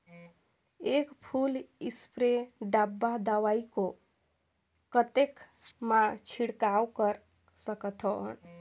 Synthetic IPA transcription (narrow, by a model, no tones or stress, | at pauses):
ekpʰulispɾeɖabːad̪awaiko | kət̪ek | mat͡ʃʰiɽkawkəɾ | səkət̪ʰo̰n